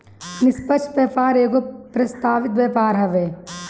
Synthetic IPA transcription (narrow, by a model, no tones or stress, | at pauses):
nɪspət͡ʃpeːpaːɾeːkopɾɐst̪aːʋɪt̪ʋjɛːpaːɾɦɛʋeː